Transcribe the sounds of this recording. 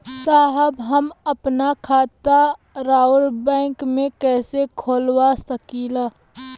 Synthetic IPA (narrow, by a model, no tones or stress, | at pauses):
saːɦəbɦəməpnakʰaːt̪a | ɾaːʊɾbɛ̃ːŋkmẽkɛːsekʰoːlwasəkila